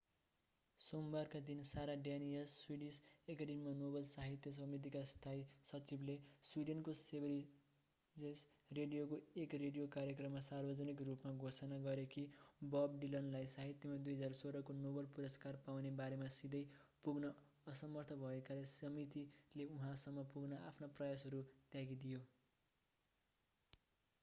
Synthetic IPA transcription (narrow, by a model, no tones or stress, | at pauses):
sombarkad̪insaɾaɖjanijʌsːwiɖisekaɖemimanobʌlsaɦit̪jʌs̬ʌmit̪̬ikast̪ʰaisʌt͡sibleswiɖenkosebɾ | d͡zes | reɖijokoekreɖijokaɾjekrʌmːasarbʌd͡zʌnikrupmaɡʱosʌnaɡʌɾekibʌbɖilʌnlajsaɦit̪jʌmad̪ujɦʌd͡zarsoɾʌkonobʌlpuɾʌskarpawnebaɾemasid̪ʌjpuɡnʌː | sʌmʌrt̪ʰʌbʱʌekalesʌmit̪ileuɦãsʌmːʌpuɡnʌʔapʰnaprʌjasɦʌɾut̪jaɡid̪ijo